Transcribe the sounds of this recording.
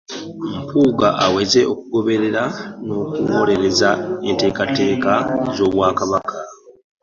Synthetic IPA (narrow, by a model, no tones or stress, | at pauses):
m̩puːɡaʔawe̞ze̞ʔo̞k̚uɡo̞βe̞ɾe̞ɾano̞ːkuwo̞ːɾe̞ɾe̞zae̞nte̞ːkate̞ːkazo̞ːβwaːkaβakʰa